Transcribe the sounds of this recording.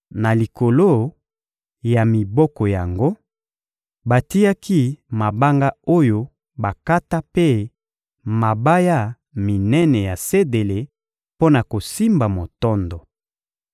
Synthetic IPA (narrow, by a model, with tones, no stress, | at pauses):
na˨li˨ko˨lo˦ | ja˨mi˨bɔ˦kɔ˨ja˨ŋɡo˦ | ba˨ti˦ja˦ki˦ma˨ba˦ŋɡa˦o˦jo˦ | ba˨ka˦ta˦pe˦ | ma˨ba˦ja˦˨ | mi˨nɛ˦nɛ˨ja˨se˦de˨le˨ | po˦na˨ko˨si˦mba˨mo˨tɔ˦ndɔ˨